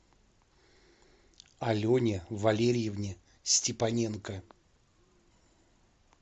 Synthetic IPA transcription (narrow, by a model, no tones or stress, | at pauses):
ɐlʲonʲɪvɐlʲeɾʲjɪvnʲɪ | sʲtʲɪpɐnʲenkə